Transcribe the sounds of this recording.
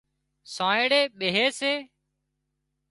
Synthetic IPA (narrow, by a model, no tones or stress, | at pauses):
sãːeːɽeːɓeːɦeːseː